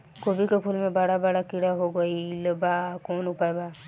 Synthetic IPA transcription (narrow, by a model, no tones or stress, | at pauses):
koːbikepʰuːlmẽbaːɽabaːɽakɪɽaɦoɡɐilɐbakoːnʊpaebaː